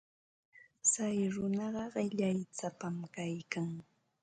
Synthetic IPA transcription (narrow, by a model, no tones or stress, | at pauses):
sajɾʊnɑɢɑɢɪʎajt͡sapamkajkaŋ